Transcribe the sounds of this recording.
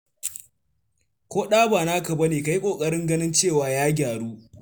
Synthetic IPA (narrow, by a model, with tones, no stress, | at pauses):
kʷoː˦ɗaː˦baː˨naː˦kɐ˨bɐ˦neː˨ka˨ji˦kʷʼoː˨kʼɐ˦ɽɪ˦ŋɡɐ˦nɪ˦nt͡ʃeː˦˨waː˨jaː˦ɡʲaː˨ɽuː˦